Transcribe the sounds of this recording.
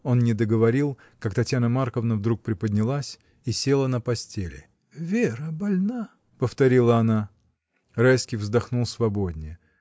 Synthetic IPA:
o̞nnʲɪd̪əɡəvɐɾʲilˠ | kakt̪ɐtʲjanəmarkəvnəvd̪ɾuk̚pɾʲɪpədʲnʲɪlˠasʲ | isʲe̞lˠənəpɐsʲtʲelʲɪ̰ | vʲeɾəbɐlʲna | pəft̪ɐɾʲilˠəɐna | rajskʲijvzd̪ɐxnulˠsvɐbod̪ʲnʲɪjə

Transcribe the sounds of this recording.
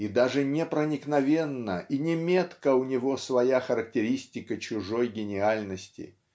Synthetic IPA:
id̪aʐɨnʲɪpɾənʲɪknɐvʲe̞nːəʔinʲɪmʲet̪kəʊnʲɪvo̞svɐjaxəɾək̚tʲɪɾʲisʲtʲɪkət͡ɕʊʐo̞jɡʲɪnʲɪalʲnəsʲtʲɪ̰

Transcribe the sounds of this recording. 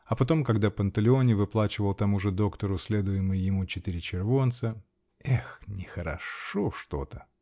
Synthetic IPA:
ɐpɐt̪o̞mkɐɡd̪apənt̪əlʲɪo̞nʲɪvɨplˠat͡ɕɪvəlˠt̪ɐmuʐɨd̪o̞kt̪əɾʊsʲlʲed̪ʊjɪmɨjjɪmut͡ɕɪt̪ɪɾʲɪt͡ɕɪrvo̞nt̪sə | ɛxnʲɪxəɾɐ̰ʂoʂt̪o̞̰t̪ə

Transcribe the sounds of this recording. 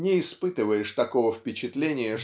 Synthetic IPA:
nʲɪːspɨt̪ɨvəjɪʂt̪ɐko̞vəfpʲɪt͡ɕɪt̪lʲenʲɪjə

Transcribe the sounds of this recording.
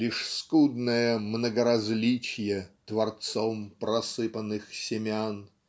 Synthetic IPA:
lʲiʂskud̪nəjəmnəɡəɾɐzʲlʲit͡ɕɪjət̪vɐrt̪sompɾɐsɨpənɨxsʲɪmʲan

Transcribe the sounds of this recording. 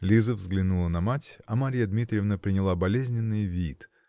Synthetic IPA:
lʲizəvzɡlʲɪnulˠənɐmatʲɐmɐɾʲijəd̪mʲit̪ɾʲəvnəpɾʲɪnʲɪlˠabɐlʲezʲnʲɪnːɨjvʲit̪

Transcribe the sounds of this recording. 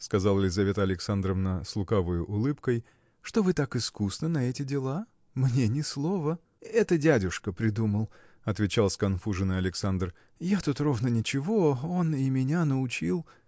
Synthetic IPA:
skɐzalˠlʲɪzɐvʲe̞t̪əɐlʲɪksand̪ɾəvnəslˠʊkavəjʊʔʊlˠɨpkəj | ʂt̪o̞vɨt̪akɨskusnənɐɛtʲɪdʲɪlˠa | mnʲenʲɪslˠovə | ɛt̪ədʲædʲʊʂkəpɾʲɪd̪uməlˠ | ɐt̪vʲɪt͡ɕalˠskɐnfuʐɨnɨɐlʲɪksand̪r | jat̪ut̪ro̞vnənʲɪt͡ɕɪvoo̞nɪmʲɪnʲanəʊt͡ɕilˠ

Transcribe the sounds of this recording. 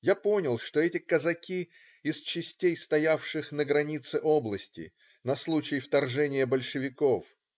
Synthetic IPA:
japo̞nʲɪlˠʂt̪o̞ɛtʲɪkəzɐkʲi | ɪst͡ɕɪsʲtʲejst̪ɐjafʂɨxnəɡɾɐnʲit̪sɨʔoblˠəsʲtʲɪ̰ | nɐslˠut͡ɕɪjft̪ɐrʐɛnʲɪjəbəlʲʂɨvʲɪkof

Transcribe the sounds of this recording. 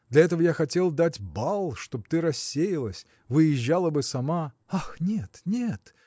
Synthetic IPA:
d̪lʲɐɛt̪əvəjaxɐtʲe̞lˠd̪atʲbalˠʂt̪o̞b̚t̪ɨɾɐsʲːejɪlˠəsʲ | vɨjɪʒːalˠəbɨsɐma | axnʲet̪nʲet̪

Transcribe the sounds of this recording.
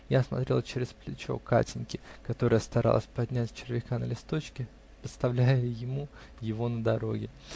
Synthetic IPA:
jasmɐ̰t̪ɾʲe̞lˠət͡ɕeɾʲɪsplʲɪt͡ɕo̞̰ka̰tʲɪnʲkʲɪkɐt̪o̞ɾəjəst̪ɐɾa̰lˠə̰sʲpɐdʲnʲætʲt͡ɕɪrvʲɪkanə̰lʲɪst̪o̞t͡ɕkʲɪ | pɪt̪st̪ɐvlʲæjəjɪmu | jɪvo̞nəd̪ɐɾo̞̰ɡʲɪ

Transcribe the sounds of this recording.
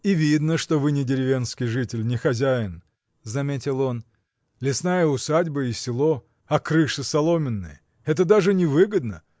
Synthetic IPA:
ivʲid̪nəʂt̪o̞vɨnʲɪdʲɪɾʲɪvʲe̞nskʲɪjʐɨtʲɪlʲnʲɪxɐzʲæjɪn | zɐmʲetʲɪlˠo̞n | lʲɪsnajəʊsadʲbəɪsʲɪlˠo̞ | ɐkɾɨʂɨsɐlˠo̞mʲɪnːɨ̰jə | ɛt̪̬əd̪aʐɨnʲɪvɨɡəd̪nə

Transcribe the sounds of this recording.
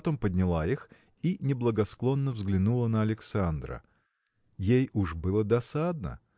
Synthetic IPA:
t̪o̞mpəd̪ʲnʲɪlˠaix | inʲɪblˠəɡɐsklˠo̞nːəvzɡlʲɪnulˠənəɐlʲɪksand̪ɾə̰ | jejuʐbɨlˠəd̪ɐsad̪̚nə̰

